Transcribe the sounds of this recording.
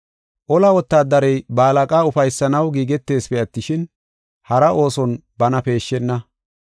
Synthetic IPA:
ʔɔlɐwɔt̪ːaːd̪ɐɾɛjbaːlɐkʼaːʊfɐjsːɐnɐwɡiːɡɛt̪ːe̞ːspɛɐt̪ːɪʃɪn | hɐɾɐʔo̞ːsɔnbɐnɐpe̞ːʃːɛnːɐ

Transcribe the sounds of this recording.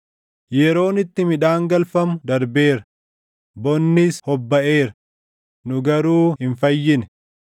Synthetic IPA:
jɛɾo̞ːnɪt̪ːɪmɪᶑaːŋɡɐlfɐmʊd̪ɐɾbe̞ːɾɐ | bɔnːɪshɔbːɐʔe̞ːɾɐ | nʊɡɐɾuːhɪnfɐjːɪnɛ

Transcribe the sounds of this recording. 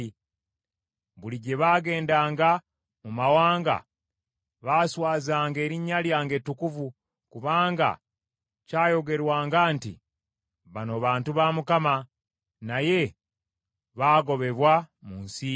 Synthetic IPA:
βuliɟe̞βaːɡe̞ːndaːŋɡa | mumawaːŋɡa̰ | βaːswaːzaːŋɡe̞ːɾiɲːaljaːŋɡe̞tːukuvu | kuβaːŋɡa̰ | caːjo̞ɡe̞ɾwaːŋɡaːntḭ | βano̞βaːntuβaːmukama | naje̞ | βaːɡo̞βe̞βwamunsi

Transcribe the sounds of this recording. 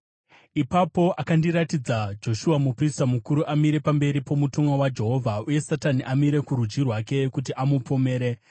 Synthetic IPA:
ipapo̞ʔakandiɾatid͡zad͡ʒo̞ʃuamupristamukuɾuʔamiɾe̞pambe̞ɾipo̞mutomwawad͡ʒe̞ɦo̞vʱauje̞sataniʔamiɾe̞kuɾud͡ʒirwake̞kut̬iʔamupʰo̞me̞ːɾe̞

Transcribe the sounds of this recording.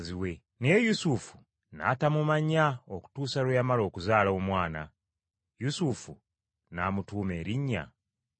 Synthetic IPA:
ziwe̞ | nejusufu̥ | na̰tamumaɲaoku̥tuːsalujamalo̞ːkuzaːlaomwaːna̰ | jusufu | namutuːme̞ːɾiɲːa̰

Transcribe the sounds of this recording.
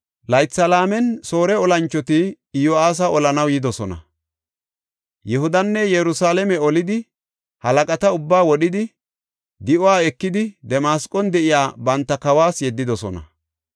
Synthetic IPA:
lɐjtːɐlaːmɛnso̞ːɾɛɔlɐnt͡ʃːɔt̪ɪ | jɔaːs̬ɐʔɔlɐnɐwjɪd̪ɔsɔnɐ̰ | jɛɦʊd̪ɐnːɛjɛɾʊsaːlɛmɛɔlɪd̪ɪ | hɐlɐkʼɐt̪ɐʊbːaːwɔɗɪd̪ɪ | d̪ɪʔɔwaːɛkːɪd̪ɪd̪ɛmaːskʼːɔnd̪ɛʔɪjaːbɐnt̪ːɐkɐwaːsjɛd̪ːɪd̪ɔsɔ̰nɐ̰

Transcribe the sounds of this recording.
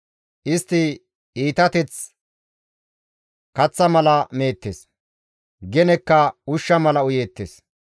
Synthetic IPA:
ʔɪst̪ːɪ | iːt̪ɐt̪ɛt͡s | kɐt͡sːɐmɐlɐme̞ːt̪ːes | ɡɛnɛkːɐʊʃːɐmɐlɐʊjeːt̪ːes

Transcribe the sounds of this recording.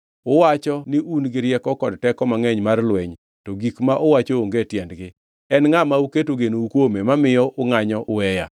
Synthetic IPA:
ʊwat͡ʃɔnɪʔunɡɪɾjɛkɔkɔdtɛkɔmaŋɛɲmarlwɛɲ | tɔɡikmaʔʊwat͡ʃooŋɡetjɛndɡɪ | ɛnŋamauketoɡenoukwomemamɪjɔʔʊŋaɲɔʔʊɛja

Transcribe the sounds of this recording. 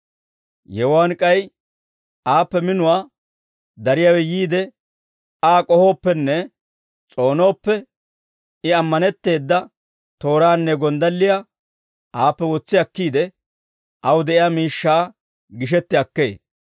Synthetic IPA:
jɛwaːnkʼɐj | ʔaːpːɛmɪnʊwaː | d̪ɐɾɪjaːwɛjiːd̪ɛ | aːkʼɔho̞ːpːɛnːɛ | t͡sʼo̞ːno̞ːpːɛ | ɪɐmːɐnɛt̪ːe̞ːd̪ːɐ | t̪o̞ːɾaːnːɛɡɔnd̪ɐlːɪja | ʔaːpːɛwɔt͡sːɪɐkːiːd̪ɛ | ʔɐwʊd̪ɛʔɪjaːmiːʃːaː | ɡɪʃ̬ɛt̪ːɪɐkːe̞̰ː

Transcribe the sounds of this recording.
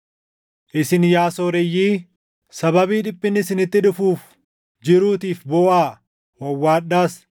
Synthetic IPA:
ʔɪsɪnjaːsoːɾɛjːiː | sɐbɐbiːᶑɪpʼːɪnːɪsɪnɪt̪ːɪᶑʊfuːf | d͡ʒɪɾuːt̪iːfbɔːʔaː | wɐwːaːᶑaːs

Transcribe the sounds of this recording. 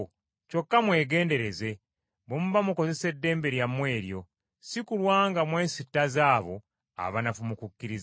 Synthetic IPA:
co̞kːamwe̞ːɡe̞ːnde̞ɾe̞ze̞ | βomuβamuko̞ze̞se̞dːe̞ːmbe̞ɾjamwe̞ːɾjo̞ | sikulwaːŋɡamwe̞ːsitːazaːβo̞̰ | a̰βanafumukukːiɾiz

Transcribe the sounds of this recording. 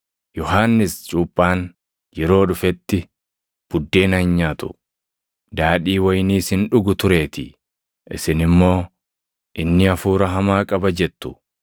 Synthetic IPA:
jɔɦaːnːɪst͡ʃʼuːpʼːaːn | jɛɾo̞ːᶑʊfɛt̪ːɪ | b̥ʊd̪ːe̞ːnɐhɪɲːaːt̪ʊ̥̰ | d̪aːᶑiːwɐjniːshɪnᶑʊɡʊt̪ʊɾe̞ːt̪ɪ | ʔɪ̰sɪnɪmːo̞ː | ʔɪnːɪɐfuːɾɐɦɐmaːkʼɐbɐd͡ʒɛt̪ːʊ̥

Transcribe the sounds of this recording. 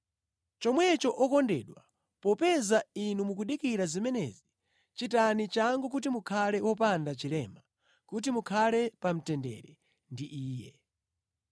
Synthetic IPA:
t͡ʃɔmwɛt͡ʃɔʔɔkɔndɛ̰ɗwa | pɔpɛzainumukuɗikiɾazimɛnɛ̰zi | t͡ʃitanit͡ʃaŋɡɔk̬ut̬imukʰalɛwɔpandat͡ʃilɛma | kut̬imukʰalɛpam̩tɛndɛ̰ɾɛ | ndiʔiːjɛ

